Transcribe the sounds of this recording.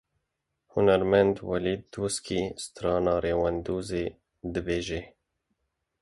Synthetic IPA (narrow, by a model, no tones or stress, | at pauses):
hunaɾmand̪walid̪ːuskʰist̪ɾɑːnɑːɾeːwand̪uːze | d̪ɨbeːʒe